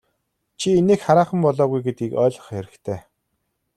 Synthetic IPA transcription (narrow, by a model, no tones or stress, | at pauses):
t͡ɕʰieneːkχaɾaːχə̆mpɔɮɔːɣujɡet̪̚ɡiːkœːɮɞ̆χxeɾɘ̆kt̪ʰeː